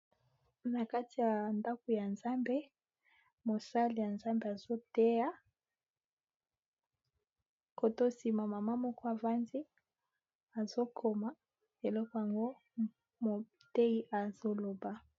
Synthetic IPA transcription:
na˨ka˦ti˨ja˨nda˦ko˨ja˨nza˦mbe˦ | mo˨sa˦li˨ja˨nza˦mbe˨a˨zo˦te˦ja˦ | ko˨to˦si˨ma˨ma˨ma˦mɔ˦kɔ˦a˨va˦nzi˦ | a˨zo˦kʰo˨ma˨˦ | e˨lɔ˦kɔ˨ja˨ŋɡo˦ | mo˨ | te˦i˦ʔa˨zo˦lo˨ba˦

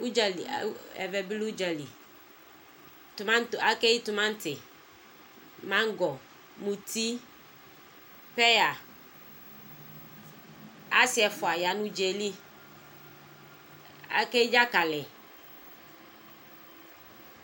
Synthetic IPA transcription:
u˦d͡ʒa˨lḭ˨˦ɛ̰˨vɛ˨bi˦lu˦d͡ʒa˨li˨ | tʊ˨mã˦ta˦ke˦i˦t̪ʊ˨mã˦n˦tɪ˨ | mã˦ŋ˦ɡɔ˨ | mũ˨t̪i˦ | pɛ˦ja˨ | a˦sɪ˦ɛ˨fʊ˨a˨ja˨nũ˦d͡ʒe˨li˦ | a̰˦kɛ˦i˦d͡ʒa˦ka˨lɛ˨

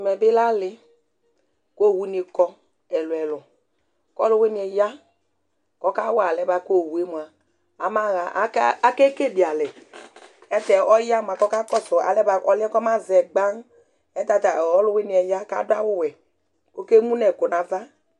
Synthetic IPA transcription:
mɛ˨bɪ˦la˦lɪ˨ | ko˦˨wu˦ne˨kɔ˦ | ɛ˨lwɛ˨lʊ˨ | kɔ˦lʊ˦we˦ni˨ɛ˨ja˦ | kɔ˦ka˦wa˨lɛ˨˦ba˨ko˦˨wu˨e˦mu˨a˨ | a˨ma˦ɣa˨ʔa˦ke˦ke˦˨di˨a˨lɛ˨ | ɛ˦tɛ˨ɔ˦ja˦˨m˨a˨kɔ˦ka˦kɔ˦sɔ˨a̰˨lɛ˦ba˨ɔ˨lɛ˦kɔ˦ma˦zɛ˨ɡ͡ba˦ŋ˦ | ɛ˦ta˨ta˨ɔ˦lʊ˦we˦ni˨ɛ˨ja˦ka̰˦da˦wʊ˦˨wɛ˨ | ko˦ke˦mũ˦nɛ˨ko˨na˨va˦

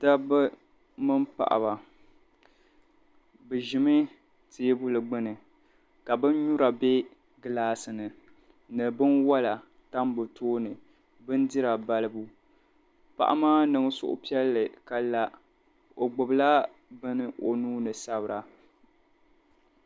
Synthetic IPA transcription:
da˦bɨ˦ | mɨ˦mpa̰˨ʔa̰˨ba˨ | bɨ˨ʒɪ˨mɨ˦ | teː˦bu˦lɨ˨ɡ͡bɨ˦nɨ˨ | ka˨bɨ˦n˦ɲu˦ɾa˨be˦ | ɡɨ˦laː˦sɨ˨nɨ˨ | nɨ˨bɨ˦nwa˦la˨ | ta˦mbɨ˨tʰoː˦nɨ˨ | bɨ˦n˦dɪ˦ɾa˨ba˦lɨ˦bu˦ | pa̰˨ʔa̰˦maː˦nɨ˨ŋ˦sʊ̰˦ʔʊ̰˨pi˦ɛ˦lːɨ˨ka˨la˦ | o˨ɡ͡bʊ˨bla˦ | bɨ˦nɨ˦ʔo˨nuː˦nɨ˨sa˦bɨ˨ɾa˨

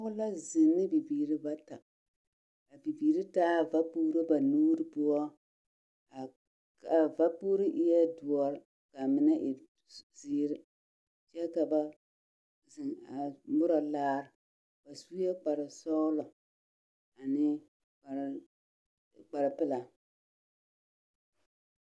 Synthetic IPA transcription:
ʊ˦la˦zɪ˨nːɨ˦bi˨biː˨ɾi˦ba˦ta˨ | a˨bi˨biː˨ɾi˦taː˦˨va˦puː˦ɾi˦ba˨nuː˦ɾɨ˦pʊ˦ɔ˦ | a˨ | ka˨va˦puː˦ɾi˦ʔɪ˦jɛ˦dʊ˨ɔ˨˦ɾ | ka˨mɪ˨na˦ʔɪ˨ | ziː˦ɾɪ˦ | t͡ʃɛ˦ka˨ba˦ | zɪ˨ŋa˨mʊ˦ɾɔ˨laː˦ɾɪ˨ | b̥a˨su˦jɛ˦k͡pa˨ɾɪ˨sɔ˦lɔ˨ | a˨nɪ˦˨ | k͡pa˨ɾɪ˨pɪ˦la˨

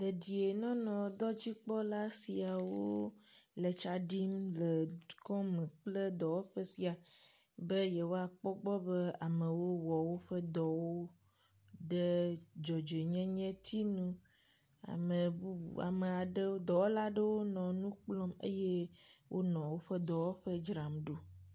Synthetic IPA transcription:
d̪e˨d̪i˨e˨nɔ̃˦nɔ̃˨d̪ɔ˦d͡ʑi˦k͡pɔ˦la˦si˨a˨wo̰˦ | lə˨t͡ʃa˨ɖi˦mlə˨kɔ̃˦mə̃˨k͡plə˦d̪ɔ˨wo˦ɸə˦si˨a˨ | bə˦je˨wo˦a˨k͡pɔ˦ɡ͡bɔ˦be˦a˨mẽ˨wo˦wɔ˨wo˦ɸə˦d̪ɔ˨wo˦ | ɖə˦d͡ʒɔ˨d͡ʒe˨ɲɛ̃˦ɲɛ̃˦t̪ʰi˦nũ˦ | a̰˨mə˨bu˦ṵ˨a̰˨mə˨a˨ɖə˦d̪ɔ˨wo˦la˦ɖə˦wo˦nɔ̃˨nũ˦k͡plɔ˦mḛ˦jɛ˦ | wʔo˦nɔ̃˨wo˦ɸə˦d̪ɔ˨wo˦ɸə˦d͡ʒɾa˨mɖo˦

